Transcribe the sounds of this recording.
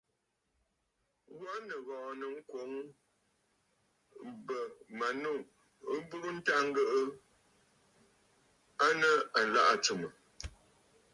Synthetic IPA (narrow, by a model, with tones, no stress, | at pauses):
wa˦nə˨ɣɔ̃˨nə˨ŋ̩˦kwo˨˦ŋ | bə˨ma˨nu˦˨ | ə˦bu˦ɾu˦n̩˦ta˦ŋ̩˦ɡə˦ʔə˦ | a˦nə˨a˨la̰˦ʔa˨t͡su˨mə˨